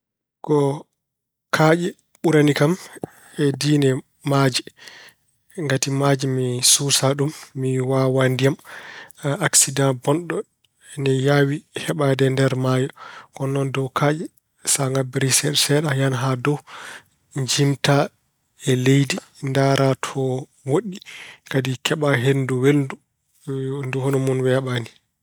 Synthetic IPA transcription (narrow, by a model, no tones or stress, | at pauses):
kɔ | kʰaːd͡ʒɛ | ɓuɾanikam | ɛdinɛ | maːd͡ʒi | ŋɡatimad͡ʒimisusaɗumːiwawandijam | aksidãnbɔnɗɔ | ɛnɛjawihɛɓadɛndɛɾmaːjɔkɔnːɔndɔkʰaːd͡ʒɛ | saŋɡabiɾisɛɗsɛɗajanɦadɔw | ɲd͡ʒimta | ɛlejdi | ndaɾʔatʰɔ | woɗːikadikʰɛɓaɦenduweldu | nduhonɔmunwɛɓani